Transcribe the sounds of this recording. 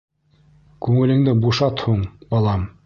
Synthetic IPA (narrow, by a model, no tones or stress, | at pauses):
kʉŋɘ̆lɘ̆ŋd̪ɘbuʃɑt̪huɴbɑlˠɑm